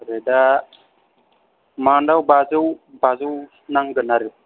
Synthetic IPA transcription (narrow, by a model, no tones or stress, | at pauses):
ɾeda | maːɳɖawbazəwbazəw | naŋɡənaɾi